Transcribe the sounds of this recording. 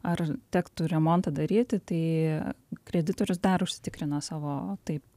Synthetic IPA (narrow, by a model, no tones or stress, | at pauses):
ɐrt̪ʲæːkt̪ʊɾʲɛmont̪ɐd̪ɐɾʲiːt̪ʲɪt̪ɐɪ | kɾʲɛd̪ʲɪt̪oːɾʲʊsd̪ɐrʊʃʲsʲɪ̥t̪ʲɪkɾʲɪnɐsɑːʋoːt̪ɐɪp